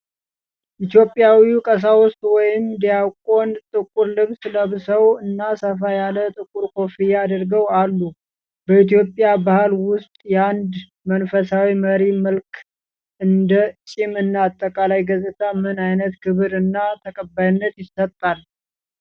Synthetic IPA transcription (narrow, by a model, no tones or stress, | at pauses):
ʔit̪jo̞pʼːjawikʼəs̬awʊst̪ʼwɔjɪmd̪ijakʼo̞nt̪ʼɨkʼuɾlɨβsləβsəwɨnːasəfajalət̪ʼɨkʼuɾkʰo̞fijad̪ɾɡəwalːu | bəit̪jo̞pʼːjabahlwʊst̪ʼjɛand̪ | mənfəsawiməɾiməlkʰ | ʔɨnd̪ət͡ʃʼɪmɨnːaaːt̪ʼːəkʼalajɡəzʼɨt̪ʰamɨnajnət̪kʰɨβɾɨnːat̪ʰəkʼəbːajɪnːət̪jɪsːət̪ʼːal